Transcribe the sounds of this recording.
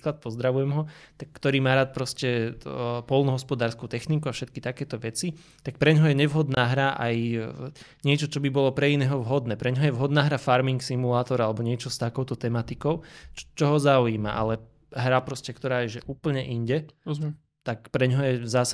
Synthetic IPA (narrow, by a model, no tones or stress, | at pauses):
klat̪̚pɔzd̪ɾaʋujɛmɦɔt̪akːt̪ɔɾiːmaːɾaːt̪̚pɾɔscɛ | pɔlˠnɔɦɔspɔd̪aːɾskut̪ɛxnikuafʃɛt̪kit̪akɛːt̪ɔʋɛt͡si | t̪ak̚pɾɛɲɦɔjɛɲɛʋɦɔd̪naːɦɾaʔa̰j | ɲɪɛt͡ʃɔt͡ʃɔbibɔlɔpɾɛinɛːɦɔʋɦɔd̪nɛːpɾɛɲɦɔjɛʋɦɔd̪naːɦɾafaɾmiŋksimulaːt̪ɔɾalɛbɔɲɪɛt͡ʃɔst̪akɔʊt̪ɔt̪ɛmat̪ikɔʊt͡ʃt͡ʃɔɦɔzauiːma̰ʔa̰lɛ | ɦɾapɾɔscɛkt̪ɔɾaːjɛʒɛʔuːpl̩ɲɛʔiɲɟɛ | t̪akpɾɛɲɦɔjɛzaːs